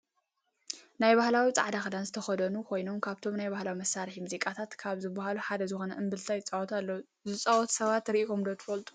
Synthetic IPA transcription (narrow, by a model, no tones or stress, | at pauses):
najbahlawit͡sʼa̰ʕd̪axɨd̪anzɨt̪ʰɐxɐd̪ɐnukʰo̞jno̞mkʰaβt̪ʰo̞mnajbahlawimɐsːaɾħimuzikʼat̪ʰat̪kʰaβzɨbːɐhaluħad̪ɐzɨxonɐ̰ʔɨmbɨlt̪ʰajɪt͡sʼawɔt̪ʰalːɐwu | zɨt͡sʼɐwɔt̪sɐβat̪ɾʔiomd̪ot̪ʰɨ̥fɐlt̪ʼu̥